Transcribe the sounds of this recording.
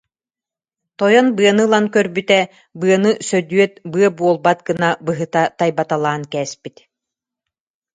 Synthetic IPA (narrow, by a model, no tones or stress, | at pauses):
t̪ɔjɔnbɯɐnɯlˠankœɾbyt̪ɛ | bɯɐnɯsœd̪yœt̪̚bɯɐbuɔlˠbat̪̚ɡɯnabɯɦɯt̪at̪ajbat̪alˠaːnkɛːspit̪